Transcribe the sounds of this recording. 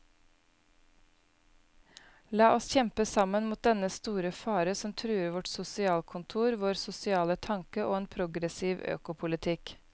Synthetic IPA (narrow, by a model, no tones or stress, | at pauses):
lɑːʔɔsçɛmpəsɑmənmuːt̪̚d̪ɛnəst̪uːɾəfɑːɾəsɔmt̪ʰɾʉːəɾʋɔʈsʊsɪɑːlkʰʊnt̪ʰuːɾʋoːɾsʊsɪɑːlət̪ʰɑŋkəʔo̰ːeːnpʰɾʊɡɾɛsiːʋø̰ːkʊpʰʊlɪt̪ʰɪk